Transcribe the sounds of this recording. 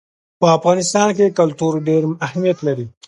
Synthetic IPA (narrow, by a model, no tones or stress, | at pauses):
pəafɣɑnɪst̪ɑnkekalt̪uɾɖeɾahmijat̪laɾi